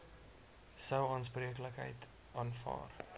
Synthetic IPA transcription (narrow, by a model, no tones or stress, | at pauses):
səwɑːnspriəkləkɦə̰jt | ʔɑːnfɑ̰ːr